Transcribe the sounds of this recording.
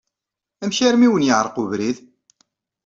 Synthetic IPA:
æmçaɾmiwənjəʕɾˤquvɾið

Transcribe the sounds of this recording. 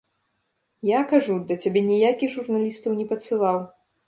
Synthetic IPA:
jakaʐud̪ɐt͡sʲabʲɛnʲijakʲiɣʐurnalʲist̪ɐwnʲɛpɐt̪sɨlˠaw

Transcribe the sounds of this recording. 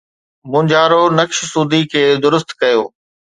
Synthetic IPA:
mʊ̃ɲd͡ʑaːɾonɐkʃsuːd̪ʱikʰeːd̪ʊɾʊst̪kɐjoː

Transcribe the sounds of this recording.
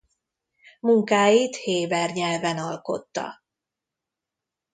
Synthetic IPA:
muŋkaːjiːt̪heːbɛrɲɛlvɛnɒlko̞̰t̪ːɒ̰

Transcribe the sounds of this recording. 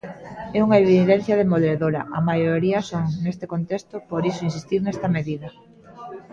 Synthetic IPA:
ɛuŋaeβiðɛn̟θjɐð̞emoðeðoɾɐ̰ʔɐmajoɾiɐsoŋnest̪ekont̪est̪opoɾisoinsist̪iɾnɛst̪ɐmeðiðɐ

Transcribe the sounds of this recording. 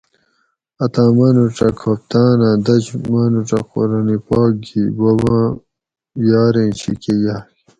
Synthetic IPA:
ɐt̪ãːmɐnuʈ͡ʂɐkʰɐp̚t̪aːnãːd̪ɐd͡ʑmɐnuʈ͡ʂɐ̰qo̰ɾanipaːk̚ɡibɐbãː | jaːɾẽːnɕḭkejaː

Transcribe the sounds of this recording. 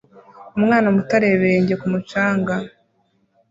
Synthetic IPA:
umŋaːnamutaɾeβeɲɟe̞kumut͡ʃaːŋɡa

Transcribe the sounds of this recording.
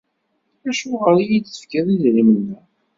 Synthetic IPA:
æʃʊʁəɾijiːə̥fkæðizɾimənːæ

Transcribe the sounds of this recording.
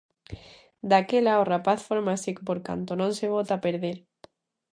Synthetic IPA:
d̪akelaorapaθfoɾmasikpoɾka̰nt̪onõŋseβ̞ot̪apeɾðeɾ

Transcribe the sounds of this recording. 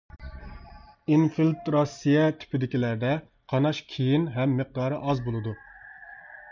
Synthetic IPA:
infilt̪ɾɑsijɛt̪ʰy̥pɪd̪ɪkʲilæɾd̪ɛ | qʰɑnɑʃkʲʰejinɦɛmːeq̚d̪ɑːɾɨʔɑzbolˠɨd̪u

